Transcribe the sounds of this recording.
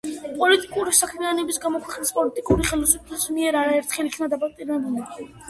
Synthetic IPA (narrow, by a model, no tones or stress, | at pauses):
pʼɔlit̪ʼikʼuɾisakʰmianɔbisɡamɔkʰwɛqʼnispʼɔlit̪ʼikʼuɾiχɛlɔsupʰlɛsmiɛɾaɾaɛɾt̪ʰχɛlikʰnad̪apʼak̚t̪ʼiɾɛbulɛ